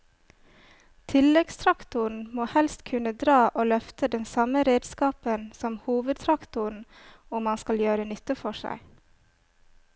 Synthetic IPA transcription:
t̪ʰɪlɛɡst̪ʰɾɑkt̪ʊɳ̩moːhɛlst̪kʰʉnəd̪ɾɑːʔoːlœft̪əd̪ɛnsɑməɾeːd̪skɑːpənsɔmhuːʋəd̪̚t̪ʰɾɑkt̪ʊɳ̩ | ʊmːɑnskɑljøːɾənʏt̪əfɔʃæ̰ɪ

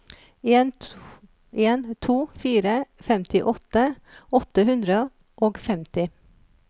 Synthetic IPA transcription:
n | ʔeːnt̪ʰuːfiːɾəfɛmt̪ʰɪʔɔt̪ə | ɔt̪əhʉnd̪ɾə | ʔoːɡfɛmt̪ɪ

